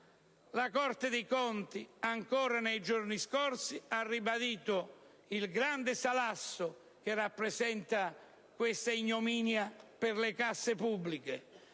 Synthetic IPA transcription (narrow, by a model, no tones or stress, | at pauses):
lakɔrt̪ɪd̪ejkɔnt̪iaŋkɔːɾanejd͡ʒorniskɔrsiarːibad̪iːt̪ʊ | ilɡɾand̪ɪsalasːʊ | k̟ɪrːapːɾesɛnt̪a | kwest̪aiɲːomiːnjapɪrlekasːɪpubːlike